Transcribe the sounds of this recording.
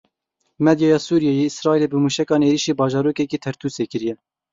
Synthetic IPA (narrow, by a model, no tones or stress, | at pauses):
mɛd̪jɑjɑːsuːɾijɛjeːɪsɾɑːiːleːbɨmuːʃɛkɑːneːɾiːʃiːbɑːʒɑːɾoːkɛkiːt̪ʰɛɾt̪ʰuːseːkɨɾijɛ